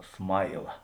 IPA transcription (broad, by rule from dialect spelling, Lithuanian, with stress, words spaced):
ˈsmɐɪlˠɐ